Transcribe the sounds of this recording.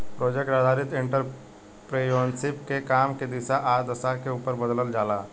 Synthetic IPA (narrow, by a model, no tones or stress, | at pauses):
pɾoːd͡ʒek̚ʈɾaːd̪ʱaːɾɪt̪ɪ̃ɳʈəɾ | pɾeːjoːnsɪpkekaːmked̪ɪsaʔaːd̪əsakeuːpəɾbəd̪ləld͡ʒaːlaː